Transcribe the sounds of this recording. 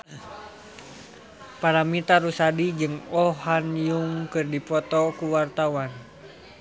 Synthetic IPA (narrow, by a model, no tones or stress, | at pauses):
paɾamit̪aɾusadid͡ʒɨŋɔɦanjuŋkɨrdipɔt̪ɔkuwart̪awan